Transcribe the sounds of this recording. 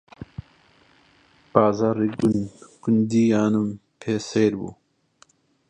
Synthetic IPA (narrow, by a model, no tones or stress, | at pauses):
paːzaɾiɡunkund̪iaːnumpʰeːseːɾbṵ